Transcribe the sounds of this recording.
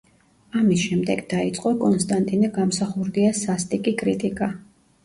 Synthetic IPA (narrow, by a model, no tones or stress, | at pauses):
amisʃɛmd̪ɛɡd̪ait̪sʼqʼɔkʼɔnst̪ʼant̪ʼinɛɡamsaχuɾd̪iasast̪ʼikʼikʼɾit̪ʼikʼa